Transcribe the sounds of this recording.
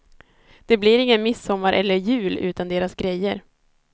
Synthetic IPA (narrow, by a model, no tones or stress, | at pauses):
d̪̥ɛbliɾɪŋːənmɪsɔmːaɾʔɛlːəɾjʉ̟ːlʉ̟̰ːt̪and̪eːɾasɡɾɛjːə̰ɾ